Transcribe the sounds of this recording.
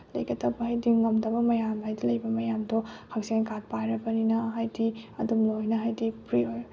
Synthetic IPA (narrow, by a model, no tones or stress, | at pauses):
lɐ̰jɡɐtʰɐbɐhɐjdiŋɐmdɐbɐmɐjamhajdilɐjbɐmɐjamdɔhʰɐk̚senkat̚pajɾɐbɐninɐɦajdiɐ̰dumlojnɐɦajdipɾioj